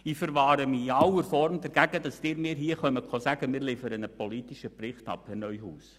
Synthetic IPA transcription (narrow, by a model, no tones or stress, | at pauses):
iːfəɾvɑːɾəmiiɑwəɾfɔrmdɛɾɡ̥æɡ̥ədɑsd̥ɪːɾmɪːɾɦiːəχœməkχɔsæɡ̥əmɪːɾliːfəɾənəpɔlitiʃəprɪχtɑ̰pənœʏhuːs